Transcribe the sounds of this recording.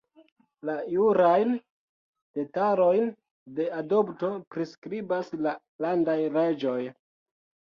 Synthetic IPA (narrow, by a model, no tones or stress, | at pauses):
lajuɾajn | d̥e̞taɾo̞jn | de̞ado̞pto̞pɾiskɾibasla | landajɾe̞d͡ʒo̞j